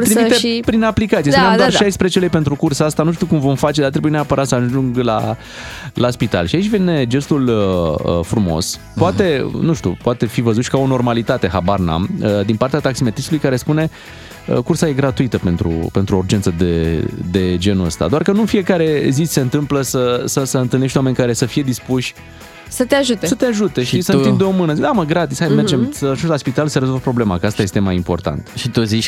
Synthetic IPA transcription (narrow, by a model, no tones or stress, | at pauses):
ɾimit̪epɾinaplikat̪sijepunemd̪oarʃajspɾet͡ʃelejpe̞nt̪ɾukursaast̪anuʃt̪iukumvo̞mfat͡ʃed̪art̪ɾebujeneapəɾat̪səaʒuŋɡla̰ | laspit̪a̰lʃiait͡ʃʲvene̞d͡ʒe̞st̪uləfɾumo̞̰s | poat̪e̞nuʃt̪ʲṵpowat̪e̞fivəzut̪ʃi̥kao̞no̞rmalit̪at̪e̞ɦabarna̰məd̪inpart̪eat̪aksime̞t̪ist̪ulujkaɾe̞spune̞ | ə̰kursaje̞ɡɾat̪uit̪əpe̞nt̪ɾṵpe̞nt̪ɾuurd͡ʒensəd̪ed̪e̞d͡ʒe̞nuəst̪a̰d̪oarkənunfie̞kaɾe̞zise̞ɨnt̪ɨmpləsəsəsəɨnt̪ɨlneʃt̪owamenʲkaɾe̞səfije̞d̪ispuʃʲ | sət̪eaʒut̪esət̪eaʒut̪e̞ʃiisənind̪eo̞mɨnəzid̪aməɡɾat̪ishajmed͡ʒemsəaʒuslaspit̪alsəɾezolvəpɾo̞ble̞makəast̪aje̞st̪e̞majimpo̞rt̪a̰nt̪ʃit̪uzit͡ʃ